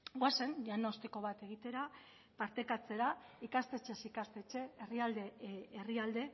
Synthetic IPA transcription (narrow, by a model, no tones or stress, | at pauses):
ɡwase̞nʎanaost̪eko̞β̞at̪e̞ɣ̞it̪e̞ɾa | paɾt̪e̞kat͡se̞ɾaikast̪e̞t͡ʃe̞sikast̪e̞t͡ʃe̞ːriald̪e̞ːriald̪e̞